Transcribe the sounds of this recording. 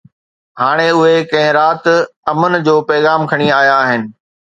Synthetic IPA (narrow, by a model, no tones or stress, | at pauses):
haːɽ̃eʊɦekɐ̃ɦɪ̃ɾaːt̪ɐmənɪ̆d͡ʑoːpɛːɣaːmkʰɐɽ̃iaːjaɦɪnɪ̆